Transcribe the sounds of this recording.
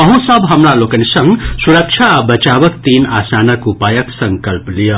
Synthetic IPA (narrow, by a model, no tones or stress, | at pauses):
ʌɦũsʌbɦʌmɾalokənisʌŋɡsuɾək̚t͡ʃʰabət͡ʃabʌkt̪inasanəkupajəksʌŋkʌlplijə